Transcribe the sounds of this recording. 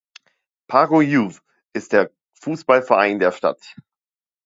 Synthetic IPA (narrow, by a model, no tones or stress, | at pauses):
pʰaːɡojuv | ʔɪst̚d̥eːɐ | fuːsb̥alfɛɐʔaɪndeːɐʃta̰t